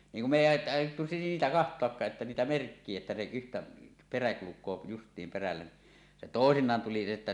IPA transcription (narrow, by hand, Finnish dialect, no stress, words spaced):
niːŋ kum me eˑi ɑˑi ɑˑijˑotːu siːtæ kɑhtˑoɑkːɑːʔ ʔetːæ niːtæ merkːie etːɑ se yhtæ peræ kulukˑoː justˑiːm perælːæ ni se toˑesinˑɑːn tuli etːæ